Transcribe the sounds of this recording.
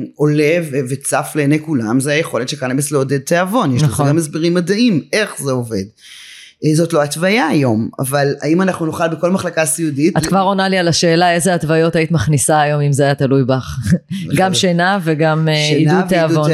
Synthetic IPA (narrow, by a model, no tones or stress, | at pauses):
o̞levevet͡safleːnejkulamzeajeχo̞letʃekanebesleod̪ed̪̚t̪eavo̞njeʃnlaχemasbiʁimːad̪aime̞χzeove̞̰d | zotloat̪vajaːjo̞ma̰vala̰imanaχnunoχalbeko̞lmaχlakasiuditattkvaʁo̞nalialaʃe̞ːlae̞zeatvajo̞t̪ait̪maχnisaːjo̞mimzeajat̪alujbaχɡamʃenaveɡamidut̪eavon